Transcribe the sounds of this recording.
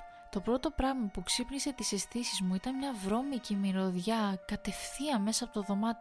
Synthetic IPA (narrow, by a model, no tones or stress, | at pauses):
t̪o̞pɾo̞t̪o̞pɾɐɣmɐpuksipnise̞t̪isest̪isizmuit̪ɐnmɲɐvɾo̞micimiɾo̞ðʝɐkɐt̪e̞fθiɐme̞sɐːpo̞t̪oðo̞mɐt̪i